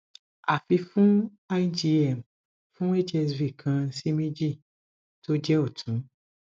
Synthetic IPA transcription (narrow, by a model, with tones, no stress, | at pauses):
a˨fi˧fũ˦ | a˦i˦d͡ʒi˧ɛ˨m˨ | fũ˦e˦d͡ʒɛ˧svi˨kʰã˧si˦mĩ˦d͡ʒi˦˨ | to˦d͡ʒɛ˦o˦˨tʰũ˨˦